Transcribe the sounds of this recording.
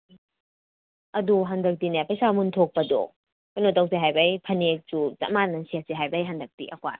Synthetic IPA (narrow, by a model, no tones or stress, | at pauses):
ɐduɦandɐk̚tinajapɐjsamuntʰok̚pɐdɔ̰ | kojnotawseɦajbajpʰɐnek̚sut͡ʃa̰manɐnsiaseɦajbɐjɦandɐk̚tḭʔɐ̰kwa̰